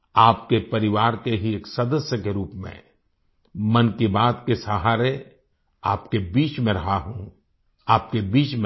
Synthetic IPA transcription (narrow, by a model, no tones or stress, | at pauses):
aːp̚kepɐɾɪʋaːɾkeɦieːksɐd̪əsjəkeɾuːpmḛ̃ | mɐnkibaːt̪kesəɦaːɾe | aːpkebiːt͡ʃmẽɾɐɦaɦũ | aːp̚kebiːt͡ʃmẽ